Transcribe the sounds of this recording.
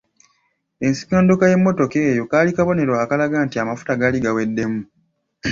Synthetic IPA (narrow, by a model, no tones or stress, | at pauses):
e̞nsi̥ko̞ːndokaje̞mːo̞to̞keːjo̞kaːlikaβo̞ne̞ɾwaaːkalaɡaːntiamafu̥taɡaliɡawe̞dːe̞mu